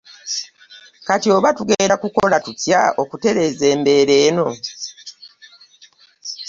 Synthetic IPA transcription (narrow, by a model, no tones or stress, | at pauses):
katio̞ːβatuɡeːdakuko̞latutja̰o̞kute̞ɾe̞ze̞ːmbe̞ːɾe̞ːno̞